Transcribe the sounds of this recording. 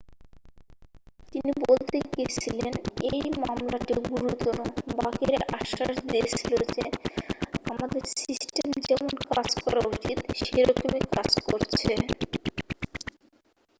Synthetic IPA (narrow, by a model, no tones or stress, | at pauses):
t̪inibolt̪eket͡ɕʰilenejmamlaʈiɡuɾut̪ɔɾobakiɾeʔa̰ʃaʃd̪iet͡ɕʰilod͡ʑe | amad̪eɾsisʈemd͡ʑɛmonkad͡ʑkɔɾaɾut͡ɕit̪ʃeɾokimekad͡ʑkoɾt͡ɕʰe